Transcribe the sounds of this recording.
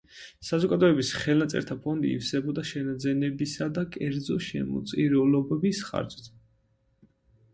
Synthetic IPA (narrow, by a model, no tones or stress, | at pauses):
sazɔɡad̪ɔɛbisχɛlˠnat̪sʼɛ̰ɾt̪ʰapʰɔnd̪ḭḭfsɛbɔd̪aʃɛnad̪zɛnɛbisad̪akʼɛɾd̪zɔʃɛ̰mɔ̰t̪sʼiɾulɔbɛbisχa̰ɾt͡ʃʼt̪